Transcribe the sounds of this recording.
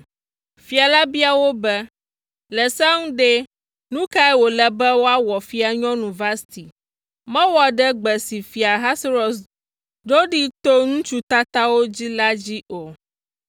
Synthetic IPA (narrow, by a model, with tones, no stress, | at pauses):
fi˨a˨la˦bi˦a˨wo˦bɛ˦ | lɛ˨sa˦ŋũ˦ɖe˦ | nũ˦ka˦ɛ˦wo˨lɛ˨bɛ˦wo˦a˦wɔ˨fi˦a˨ɲɔ̃˦nũ˨va˦st̪i˨ | mɛ̃˦wɔ˨ɖɛ˦ɡ͡bɛ˨si˨fi˨a˨ɦa˦sɾɔ˨s | ɖo˦ɖi˦t̪o˦ŋũ˦t͡ʃu˦t̪a˦t̪a˦wo˦d͡ʑi˦la˦d͡ʑi˦ʔo˨